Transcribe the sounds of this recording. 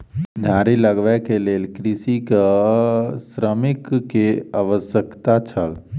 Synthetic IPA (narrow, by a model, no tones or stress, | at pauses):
d͡ʒʱaːɾiləɡʋɛkeleːlkɾisik | sɾəmɪkːeaʋəsjəkt̪at͡ʃʰəl